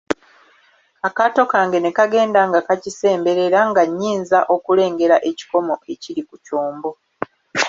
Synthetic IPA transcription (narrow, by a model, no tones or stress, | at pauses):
akato̞kaːŋɡe̞ne̞kaɡe̞ːndaŋɡakacise̞ːmbe̞ɾe̞ɾaŋɡaɲːiːnzaʔo̞kule̞ːŋɡe̞ɾaʔe̞ci̥ko̞mo̞ʔe̞ciɾikucoːmbo̞